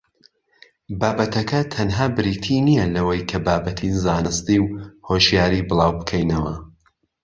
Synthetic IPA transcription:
baːbɐt̪ʰɐkʰɐt̪ʰɐnɦaːbɨɾiːt̪ʰinijɐlɐwɐjkʰɐbaːbɐt̪ʰizaːnɨst̪iwhoʃjaːɾibɨlˠaːwbɨkʰɛjnɐwɐ

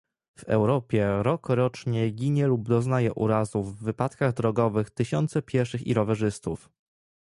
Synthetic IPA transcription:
v̥ɛ̰wɾɔpʲjɛɾɔkɾɔt͡ʂɲɛɡʲiɲɛlub̚d̪ɔznajɛʔuɾazuvːɘpat̪kaɣd̪ɾɔɡɔvɘxt̪ɘɕɔnt̪sɛpʲjɛɾʂɘxḭɾɔvɛʐɘst̪uf

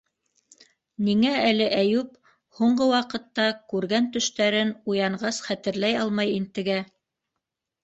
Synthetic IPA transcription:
niŋæælɘʔæjʉp | huɴɢɤwɑqɤ̆t̪ːɑkʉɾɡænt̪ɵ̆ʃt̪æɾɘnujɑɴɢɑsχæt̪ɘ̆ɾlæjɑlˠmɑjint̪ɘ̆ɡæ

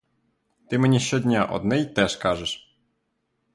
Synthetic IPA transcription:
t̪ɪmenʲiʃʲt͡ʃɔdʲnʲaʔɔ̰d̪nɛjt̪ɛʃkɑʒeʃ

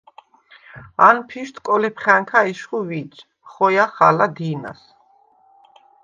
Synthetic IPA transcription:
anpʰiʃt̪ʰkʼɔlɛpʰχaŋkʰaiʃχuvit͡ʃ | χɔjaχa̰lad̪ina̰s

